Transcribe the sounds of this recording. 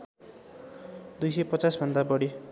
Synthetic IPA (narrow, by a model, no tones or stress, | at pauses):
d̪ujsejpʌt͡sasbʱʌnd̪abʌɽi